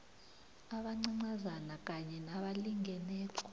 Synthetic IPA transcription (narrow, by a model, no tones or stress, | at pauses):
aɓaŋ͡ǀiŋ͡ǀazanak̬ʼaɲɛnaɓaliŋɡʱɛnɛːkɔ